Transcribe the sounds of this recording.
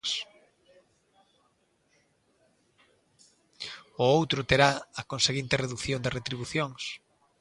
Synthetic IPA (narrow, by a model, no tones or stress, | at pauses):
s | ʊowt̪ɾʊt̪eɾaɐkonseɣint̪ɪreðuθjond̪ɪret̪ɾiβuθjoŋs